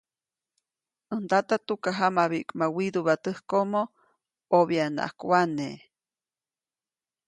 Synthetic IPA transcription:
ənt̪at̪at̪ukaɦamaβiʔkʼmawid̪uβat̪əhkoʔmo | oβiana̰ʔhkwane

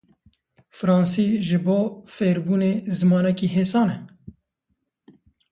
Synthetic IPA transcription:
fɾɑːnsiːʒɨboːfeːɾbuːneːzɨmɑːnɛkiːɦeːsɑːnɛ

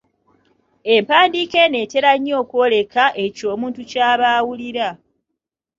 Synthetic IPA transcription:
e̞mpaːndiːke̞ne̞ːte̞ɾaɲːo̞ːkwole̞kʰaʔe̞co̞ːmuːntucaːβaːwuliɾa

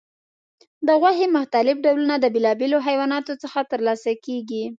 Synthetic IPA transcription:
d̪əɣwaɦemʊht̪alɪfɖawlunad̪əbelɑbeloɦajwɑnɑt̪ot͡səxat̪əɾlɑsakeɡi

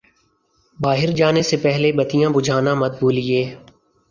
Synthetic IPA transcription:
baːɦɪɾd͡ʒaːnesepɛɦlebət̪ijãbʊd͡ʒʱaːnãmɐt̪̚buːlieː

